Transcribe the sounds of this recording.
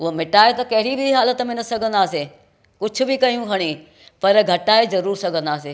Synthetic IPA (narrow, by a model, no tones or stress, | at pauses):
ʊɦomɪʈaːet̪ɐkɐɦɪɾibʱiɦaːlət̪mẽnɐsɐɡʱə̃nd̪aːse | kʊd͡ʑʰʱʊ̆bɪkɐjũkʰɐɽ̃i | pɐɾɡʱɐʈaːezɐɾuːɾsɐɡʱə̃nd̪aːseː